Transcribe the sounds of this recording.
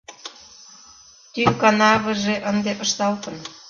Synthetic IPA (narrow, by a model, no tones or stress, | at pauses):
t̪yŋkɑnɑβə̆ʒeʔə̆nd̪eʔə̆ʃt̪ɑlkɤ̆n